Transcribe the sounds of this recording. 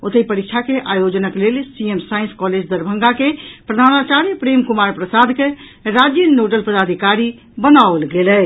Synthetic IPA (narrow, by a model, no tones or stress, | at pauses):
ot̪əipəɾikt͡ʃʰakeʔajod͡ʒənəklelsiemsainskɔled͡ʒd̪əɾbʱəŋɡakepɾəd̪ʱanmat͡ʃaɾjəpɾemkumaɾpɾəsad̪keɾad͡ʒjənoʈəlpəd̪ad̪ʱikaɾi | bənaolɡelɛ